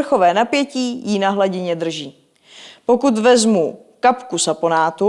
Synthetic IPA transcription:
r̩xo̞vɛːnapjɛciːjinaɦlaɟɪɲɛd̪r̩ʒiː | po̞kut̪vɛzmu | kapkusapo̞naːt̪u

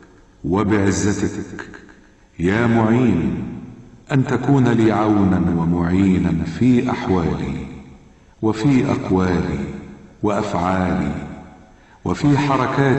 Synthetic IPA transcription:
wɪbɪʕɪzːat̪ak | jaːmʊʕiːn | ʔant̪akuːnliːʕawnanwɪmʊʕiːnanfiːʔaħwaːlḭː | wɪfiːʔa̰qwaːlḭːwɪʔafʕaːlḭː | wɪfiːħɑɾˤɑkaː

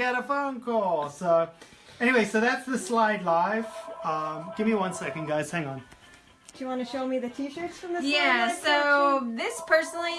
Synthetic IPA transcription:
ɛɾəfõʊ̃nkʰɔlˠsoʊ | ɛñiweɪsoʊðætsðɨslaɪdˡlaɪfʌ̃ɡ̥ɪvmiwʌ̃nsɛkɨ̃n̩ɡaɪz̥hæ̃ŋə̃n | d̥ɨjɨwɑ̃nɨʃoʊmiðɨtʰiʃə˞tsfɹʌ̃mðɪæsoʊðɪspʰɜ˞snl̩ˠi

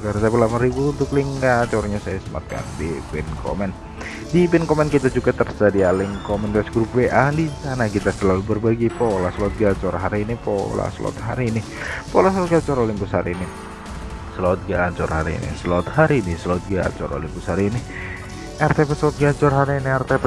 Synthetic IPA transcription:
kaɾsapəlamaɾibuunt̪ʊkliŋkat͡ʃɔɾɲasajasəma̰t̪̚ka̰ndipɪnkʰo̰mɛn | dipɪnkomɛnkit̪ad͡ʒuɡat̪ərd͡ʒadialɪŋkomɛnasɡɾup̚weʔadisanakit̪asəlalubərbaɡipolaslɔt̪̚ɡat͡ʃɔrɦaɾiːnipɔ̰la̰səlɔ̰t̪ɦaɾinɪ | polasəlɔt̪̚ɡat͡ʃɔɾolɪŋbushaɾini | səlɔt̪̚ɡaːt͡ʃɔrhaɾḭḭnḭslɔt̪haɾinɪslɔt̪̚ɡa̰t͡ʃɔ̰ɾo̰lɪŋbusaɾini | ɛrt̪ɛpɛt̪slɔt̪̚ɡat͡ʃɔrɦaɾiːniɛrt̪ɛpɛ

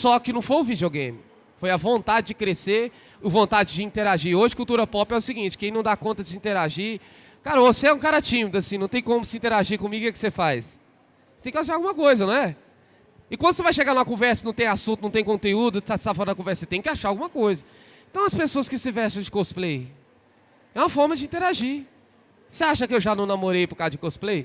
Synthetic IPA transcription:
sɔkɪnɐ̃w̃fojʊvid͡ʒioɡẽj̃mɪ | fojɐvõnt̪ad͡ʒɪd͡ʒɪkɾeseɾ | ʊvõnt̪ad͡ʒɪd͡ʒɪĩnt̪eɾaʒioʒɪkuwt̪uɾɐpɔpɛʊsiɡĩnt͡ʃɪ̥kẽj̃nɐ̃w̃d̪akõnt̪ɐd͡ʒɪsɪĩnt̪eɾaʒi | kaɾoseɛũkaɾɐat͡ʃĩmɪd̪ʊasĩnɐ̃w̃t̪ẽj̃kõmʊsɪĩt̪eɾaʒikõmiɡʊkɛkɪ̥sefajs | et̪ẽkʲaʃ̬aɾawɡũmɐkojzɐnɐ̃ɛ | ɪkwɐ̃d̪ʊsevajʃeɡaɾnũmɐkõvɛɾsɐnɐ̃w̃t̪ẽj̃asũt̪ʊnɐ̃w̃t̪ẽkõnt̪eud̪ʊt̪ast̪afɔɾɐd̪ɐkõvɛɾsɐset̪ẽj̃kɪaʃaɾawɡũmɐkojzɐ | ẽt̪ɐ̃w̃ɐspesoɐskɪsɪvɛɾsɐ̃w̃d͡ʒɪkosplej | ɛũmɐfɔɾmɐd͡ʒɪĩnt̪eɾaʒi | seaʃɐkɪewʒanɐ̃w̃namoɾejpʊɾkazɐd͡ʒɪkosplej

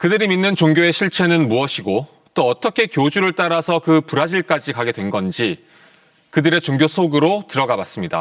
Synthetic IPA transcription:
kɯdɯɾiminːɯnt͡ɕoŋɡjoe̞ɕʰiɭt͡ɕʰe̞nɯnmuʌɕʰiɡo | t͈oʌt͈ʌkʰe̞kjod͡ʑuɾɯɭt͈aɾasʰʌkɯpuɾad͡ʑiɭk͈ad͡ʑikaɡe̞dwe̞nɡʌnd͡ʑi | kɯdɯɾe̞t͡ɕoŋɡjosʰoɡɯɾotɯɾʌɡabas͈ɯmɲida̰

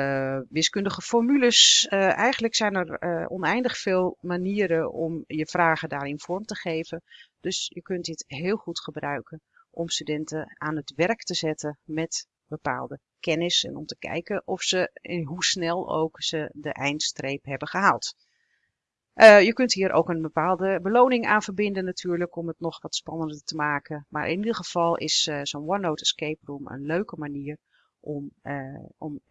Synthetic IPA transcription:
ʋɪskʏndəɣəfɔrmyləsɛjɣəndləksɛjnərɔ̰nɛjndəxfɪːlˠmaniəɾəɔmjəfraːɣədaːɾɪnfɔrmtəχeːvənd̥øsjəkøntdɪtɦɪːlˠxutxəbrœɥkən | ʔɔmstydɛntəaːnətʋɛrktəzɛtəmɛt | b̥əpa̰ːlˠdə | kɛnɪsɛ̰nɔmtə̥kɛ̰jkənʔɔfsənɦusnɛlˠo̰wksədəʔɛjntstrejpɦɛbəχəɦaːlˠt | ʔəjəkɵntɦiːɾʔo̰wkənbəpaːlˠdəbəloːnɪŋaːnvərbɪndənːatʰyːɹləkɔmətnɔxʋɑtspɑnəndətəmaːkəma̰ːɾʔɪ̰nidəxəv̥ɑlˠɪ̰ssoːnʋɔnowtskejprumə̰nløɥkəmaniər | ʔɔm | ɔm

